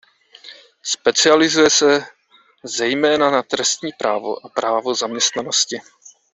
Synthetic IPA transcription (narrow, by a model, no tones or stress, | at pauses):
spɛt͡sɪalɪzujɛsɛ | zɛjmɛːnanat̪ɾɛst̪ɲiːpɾʔaːvo̰ʔapɾaːvo̞zamɲɛst̪nano̞scɪ